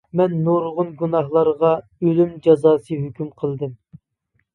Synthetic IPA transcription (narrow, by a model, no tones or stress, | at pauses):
mɛnːuɾʁʊnɡunɑhlˠɑɾʁɑ | ølymd͡ʒɑzɑːsɨɦøkʲymqʰəlˠd̪ɨm